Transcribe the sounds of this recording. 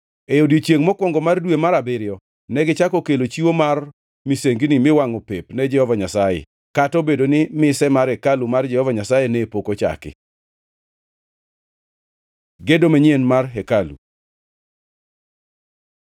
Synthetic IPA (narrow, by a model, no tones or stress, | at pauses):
ejodjot͡ʃjeŋmɔkwɔŋɡɔmardwemaɾabɪɾjɔ | nɛɡɪt͡ʃakɔkelot͡ʃiwomar | miseŋɡinimɪwaŋopepnɛd͡ʒɛhɔvaɲasajɛ̰ | katɔbedonɪmɪsɛmaɾɛkalumard͡ʒɛhɔvaɲasajenɛpokot͡ʃa̰kɪ̰ | ɡedomɛɲenmarɦekalṵ